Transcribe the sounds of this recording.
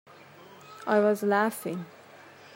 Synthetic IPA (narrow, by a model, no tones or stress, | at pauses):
ʔaɪwʌzlafɪ̃ŋ